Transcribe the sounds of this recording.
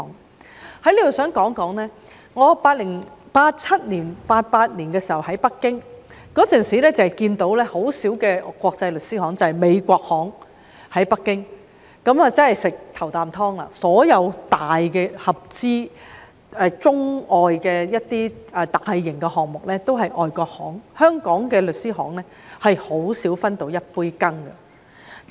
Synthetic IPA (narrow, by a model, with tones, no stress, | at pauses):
ŋ | hɐ˨˥jliː˥d̪o˨˩sœː˨˥ŋkɔː˨˥ŋkɔː˨˥ŋlɛː˥ | ŋɔː˨˧paː˧t̚lɪ˨˩ŋpaː˧t̚t͡sʰɐ˥t̚niː˨˩npaː˧t̚paː˧t̚niː˨˩nkɛː˧siː˨˩hɐ˨˩whɐ˨˥jpɐ˥kːɪ˥ŋkɔː˨˥t͡sœː˨nsiː˨lɛː˥t͡sɐ˨hɐ˨˩jkiː˧nt̪o˨˥wlɛː˥ho˨˥wsiː˨˥wkɛː˧kːʷɔː˧k̚t͡sɐ˧jlɵ˨t̚siː˨˥hɔː˨˥ŋt͡sɐ˨hɐ˨jme˨˧jkʷɔː˧k̚hɔː˨˥ŋ | hɐ˨˥jpɐ˥kːɪ˥ŋ | kɐ˨˥mɐ˨t͡sɐ˥nhɐ˨jsɪ˨k̚t̪ʰɐ˨˩wt̪aː˨mt̪ʰɔː˥ŋla̰ː˨˩sɔː˨˥jɐ˨˧wt̪aː˨jkɛː˧hɐ˨p̚t͡siː˥ | ɛː˧t͡sʊ˥ŋɔː˨jkɛː˧jɐ˥t̚t̪iː˥ɛ˨˧t̪aː˨hɐ˨˧jːɪ˨˩ŋkɛ˧hɔː˨˩ŋmʊ˨k̚lɛː˥t̪o˥wɦɐ˨jʔɔː˨˧jkɔː˧k̚hɔ̰ː˨˥ŋhœː˥ŋkɔː˨˥ŋkɛ˧lɵ˨t̚siː˥ɦɔː˨˥ŋlɛː˥ | hɐ˨jho˨˥wsiː˨˥wfɐ˥nt̪o˨˥wjɐ˥t̚puː˥jkɐ˥ŋɡɐ̰˨